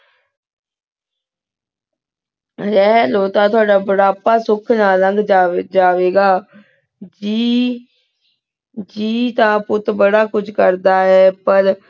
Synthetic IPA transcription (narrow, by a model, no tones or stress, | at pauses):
ɾɛɦloːt̪ãːt̪ʰʊaːɖaːbəɽaːpaːsʊkʰnaːɾəŋɡd͡ʒd͡ʒaːʋeːɡaː | d͡ʒi | d͡ʒiːt̪ãːpʊt̪bəɽaːkʊt͡ʃʰkəɾd̪aːɦɛːpəɾ